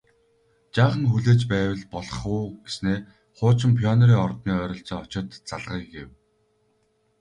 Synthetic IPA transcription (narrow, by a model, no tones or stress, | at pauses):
t͡ɕaːχə̆nxuɮeːt͡ɕpæːwə̆ɮpɔɮɞ̆χuːɡ̥esneː | χʊːt͡ɕɪ̆mpʰjɔnɔɾiːŋɔrt̪niːœːɾʲɞ̆ɬt͡sɔːɔt͡ɕɪ̆t̪t͡saɮʁiːɡew